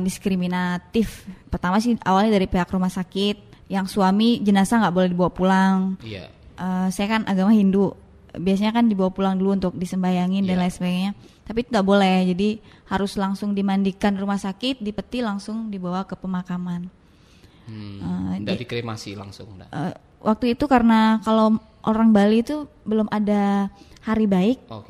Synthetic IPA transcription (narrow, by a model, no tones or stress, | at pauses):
diskɾiminat̪ɪfpərt̪amasɪawalɲadaɾipeɦakrumahsakɪt̪̚jaŋsuamid͡ʒənasaŋɡaʔbolɛhdibawapulaŋ̰ | ʔəsajakanʔaɡamaɦinduʔ | bias̬aɲakandibawapulaŋduluunt̪ʊk̚disəmbajaŋɪndanlajsəbaɡajɲa | t̪apit̪uŋɡaʔbolɛhd͡ʒadihaɾʊslaŋsʊŋdimandikanrumahsakɪt̪̚dipət̪ilaŋsʊŋdibawakəpəmakaman | əd͡ʒdikɾema̰sḭla̰ŋsʊ̰ŋə | wʔak̚t̪uit̪ukaɾənakalo | ʔoɾaŋbalit̪u | bəlʊmʔada | haɾibaɪk̚ok